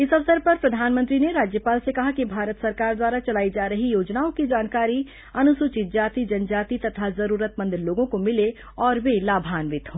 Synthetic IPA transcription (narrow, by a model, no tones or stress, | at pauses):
ɪsɐʋsəɾpɐɾpɾɐd̪ʱaːnmə̃nt̪ɾineɾaːd͡ʒjəpaːlsekɐɦakibʱaːɾət̪sɐɾkaːɾd̪waːɾat͡ʃɐlaːid͡ʒaːɾəɦijoːd͡ʒnaːõkid͡ʒaːnkaːɾi | ɐnʊsuːt͡ʃɪt̪̚d͡ʒaːt̪id͡ʒɐnd͡ʒaːt̪it̪ɐt̪ʰazɐɾuːɾət̪mə̃nd̪ɪɾloːɡõkomɪle | ɔːɾʋelaːbʱaːnʋɪt̪ɦoː